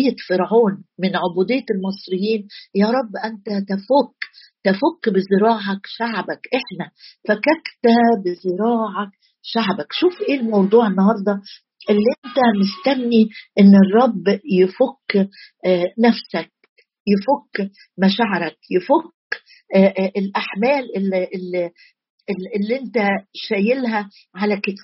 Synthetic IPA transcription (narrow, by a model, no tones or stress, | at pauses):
jːæfeɾʕuːnmɪnʕobuːd̪ejːælmɑsˤɾɪjːiːnjæːɾˤɑbːʔænt̪æt̪æfok | t̪æfokːbɪzeɾɑːʕɑkʃaʕbækʔeħnæfækækt̪æbɪzeɾɑːʕɑk̚ | ʃaʕbækʃuːfʔeːlmɑwd̪ˤuːʕenːɑhɑɾˤd̪ˤɑ | ʔelːiʔent̪æmest̪æmniʔenːerˤːɑbːjefokː | næfsæk̚ | jefokː | mæʃaʕɾˤækjefokː | ʔelʔaħmæːlʔelʔlːi | eʔelːiʔent̪æʃæːjelɦæ | ʕalæket̪